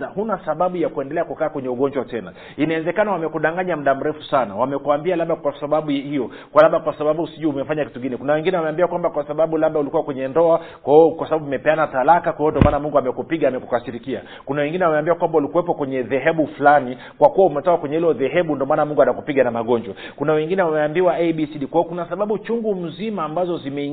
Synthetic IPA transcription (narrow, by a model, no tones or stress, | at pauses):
ahunasaɓaɓujakuɛndɛlɛakukaːkwɛɲɛuɠɔɲd͡ʒwatɛna̰ | inaɛzɛkanawamɛkuɗaŋɡaɲam̩ɗam̩ɾɛfusanawamɛkuambialaɓakwasaɓaɓuhijɔ | kwalaɓakwasaɓaɓuusiʄuumɛfaɲaki̥tuɡinɛkunawɛŋɡinɛwamɛambiakwambakwasaɓaɓulaɓaulikuwakwɛɲɛndɔakwaɔkwasaɓaɓumɛpɛanatalakakwaiɔndiɔmaːnamuŋɡuamɛkupiɠaːmɛkukasiɾikia̰ | kunawɛŋɡinɛwamɛambiwakwambaulikuwɛpɔkwɛɲɛðɛɦɛɓufulani | kwakuwaumɛtɔkakwɛɲɛhilɔðɛɦɛɓundiɔmanamuŋɡuanakupiɠanamaɠɔɲd͡ʒwa | kunawɛŋɡinɛwamɛambiwaeɓisiɗikwaɔkunasaɓaɓut͡ʃuŋɡum̩zimaːmbazɔzimɛi